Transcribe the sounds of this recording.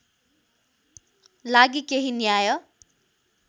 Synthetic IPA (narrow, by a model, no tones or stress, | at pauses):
laɡikeɦinjajʌ